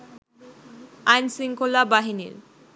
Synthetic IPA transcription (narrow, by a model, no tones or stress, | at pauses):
ajnsiŋkolːabaɦinḭɾ